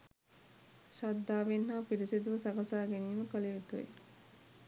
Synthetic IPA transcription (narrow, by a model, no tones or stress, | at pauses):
ʃad̪ːaːʋenɦaːpiɾisid̪uʋəsaɡasaːɡeniːməkəleut̪uḛ